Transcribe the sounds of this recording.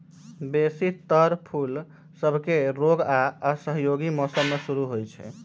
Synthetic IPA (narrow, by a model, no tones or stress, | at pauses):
besit̪əɾpʰul | səbʱkeɾoɡaəsəɦjoɡimɔsəmːesuɾuɦojt͡ʃʰɛ̰